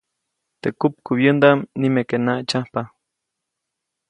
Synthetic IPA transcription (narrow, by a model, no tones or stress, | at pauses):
t̪ekup̚kuβjənd̪amnimekenaʔt͡ʃahpa